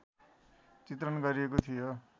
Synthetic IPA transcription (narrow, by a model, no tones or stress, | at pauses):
t͡sit̪rʌnɡʌɾiekot̪ʰijo